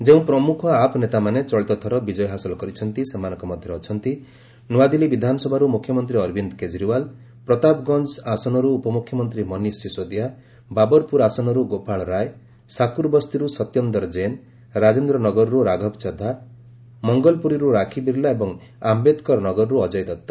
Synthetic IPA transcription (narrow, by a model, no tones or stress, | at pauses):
d͡ʒeũpɾɔmukʰɔapɔnet̪amanet͡ʃɔɭit̪ɔt̪ʰɔɾɔbid͡ʒɔjɦasɔlɔkɔɾit͡ʃʰɔnt̪isemanɔ̃ŋkɔmɔd̪ʱjɔɾeɔt͡ʃʰɔnt̪i | nuwad̪ilibid̪ʱanɔsɔbʱaɾumukʰjɔmɔnt̪ɾiɔɾbind̪ɔked͡ʒɾiwal | pɾɔt̪apɡɔnd͡ʒasɔnɔɾuːpɔmukʰjɔmɔnt̪ɾimɔnisisod̪ija | babɔɾpuɾasɔnɔɾuɡopaɭɾaj | sakuɾbɔst̪iɾusɔt̪jɔnd̪ɔɾd͡ʒen | ɾad͡ʒend̪ɾɔnɔɡɔɾɔɾuɾaɡʱɔpt͡ʃɔd̪ʱa | mɔŋɡɔlpuɾiɾuɾakʰib̪iɾlaebɔŋ | ambed̪kɔɾnɔɡɔɾɔɾuɔd͡ʒɔjt̪ɔt̪ːɔ̥